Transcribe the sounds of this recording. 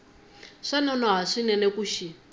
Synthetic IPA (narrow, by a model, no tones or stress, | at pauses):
ʂanɔnɔɦaʂinɛnɛkuʃi